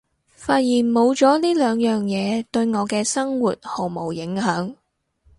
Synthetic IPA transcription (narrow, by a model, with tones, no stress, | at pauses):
faː˧t̚jiː˨˩nmo˨˧wt͡sɔː˨˥liː˥lœː˨˧ŋjœː˨ŋjɛː˨˧t̪ɵ˧ɥŋɔː˨˧kɛː˧sɐ˥ŋwuː˨t̚ho˨˩wmo˨˩wjɪ˨˥ŋhœː˨˥ŋ